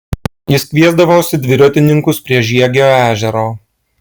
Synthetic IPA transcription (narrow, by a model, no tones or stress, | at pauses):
jɪskʲʋʲiɛzd̪ɐʋoːsʲɪd̪ʲʋʲɪɾʲot̪ʲɪnʲɪŋkʊspʲɾʲiɛʒʲiɛɡʲoːæːʒʲɛɾoː